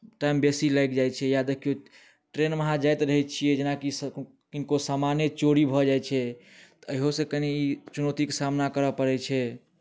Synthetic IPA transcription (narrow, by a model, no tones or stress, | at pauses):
ʈaimbesilajkd͡ʒajt͡ʃʰɛjad̪ekʰijo | ʈɾenməɦãd͡ʒajt̪ɾəɦɛt̪̚t͡ʃʰijɛd͡ʒenakis | kinkosamanet͡ʃoɾibʱɔd͡ʒajt͡ʃʰɛ | t̪əɦosẽkəniːt͡ʃunot̪ikesamnakəɾəpəɾɛt͡ʃʰɛ